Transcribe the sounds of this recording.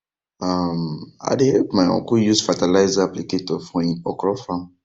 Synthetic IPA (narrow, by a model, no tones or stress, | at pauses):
ama̰ɪdehɛpmaɪɔ̰̃kujusfatalaɪzaapliketɔfɔ̃ĩnɔkɾɔfãm